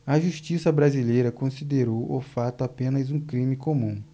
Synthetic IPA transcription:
ɐʒuʃt͡ʃisɐbɾazilejɾɐkõsid̪eɾowʔʊfat̪ʊapẽnɐzũkɾĩmikomũ

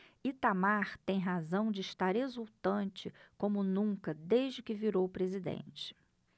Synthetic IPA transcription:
it̪amaɾt̪ẽj̃ɦazɐ̃w̃d͡ʒɪːʃt̪aɾezuwt̪ɐ̃nt͡ʃɪkõmʊnũkɐd̪ejʒd͡ʒɪkɪviɾowpɾezid̪ḛ̃nt͡ʃɪ̥

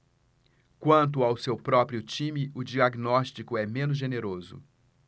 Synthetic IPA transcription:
kwɐ̃nt̪ʊawsewpɾɔpɾiʊt͡ʃĩmɪʊd͡ʒiaɡnɔʃt͡ʃikʊɛmẽnʊzʒeneɾozʊ̰

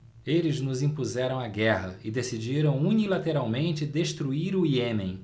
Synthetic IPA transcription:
elɪznʊzĩpuzɛɾɐ̃w̃aɡɛɦɐɪd̪esid͡ʒiɾɐ̃w̃unilat̪eɾawmẽnt͡ʃɪd̪eʃt̪ɾuiɾʊiẽmẽj̃

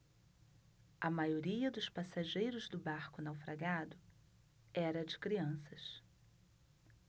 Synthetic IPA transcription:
ɐmajoɾiɐd̪ʊspasaʒejɾʊzd̪ʊbaɾkʊnawfɾaɡad̪ʊ | ɛɾɐd͡ʒɪkɾiɐ̃sɐs

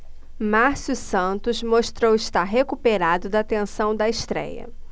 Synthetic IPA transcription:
maɾsjusɐ̃nt̪ʊzmoʃt̪ɾowɪʃt̪aɾɦekupeɾad̪ʊd̪ɐt̪ẽsɐ̃w̃d̪ɐɪʃt̪ɾɛ̰jɐ̰

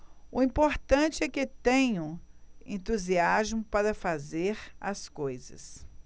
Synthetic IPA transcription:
ʊĩpoɾt̪ɐ̃t͡ʃɪɛkɪt̪ẽɲʊ̃ẽnt̪uziazmʊpaɾɐfazeɾɐskojzɐ̰s

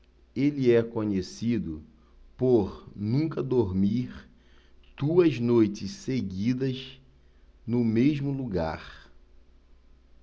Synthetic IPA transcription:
eliɛkõɲesid̪ʊ | poɾnũkɐd̪oɾmiɾ | t̪uɐznojt͡ʃɪsseɡid̪ɐz | nʊmeʒmʊluɡa̰ɾ

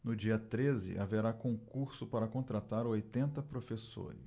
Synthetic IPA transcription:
nʊd͡ʒiɐt̪ɾezɪ̰ʔaveɾakõkuɾsʊpaɾɐkõnt̪ɾat̪aɾʊojt̪ẽnt̪ɐpɾofeso̰ɾɪ̰s

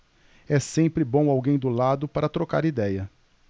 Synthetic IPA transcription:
ɛsẽpɾɪbõw̃awɡẽj̃d̪ʊlad̪ʊpaɾɐt̪ɾoka̰ɾid̪ɛjɐ

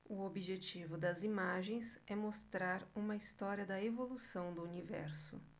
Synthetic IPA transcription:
ʊobiʒet͡ʃivʊd̪ɐzimaʒẽj̃sɛmost̪ɾaɾũmɐist̪ɔɾiɐd̪ɐevolusɐ̃w̃d̪ʊunivɛ̰ɾsʊ̰

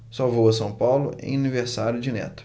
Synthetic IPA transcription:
sɔvowɐsɐ̃w̃pawlʊ̰ḛ̃j̃ɐniveɾsaɾjʊd͡ʒɪnɛ̰t̪ʊ̥

